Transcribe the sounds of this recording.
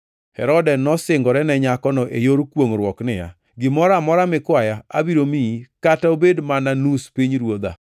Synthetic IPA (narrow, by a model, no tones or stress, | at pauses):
hɛɾɔdɛnɔsɪŋɡɔɾɛnɛɲakɔnɔʔejoɾkwoŋɾwɔknɪja̰ | ɡɪmɔɾamɔɾamɪkwajaa̰biɾomikataobedmananuspiɲɾwod̪a̰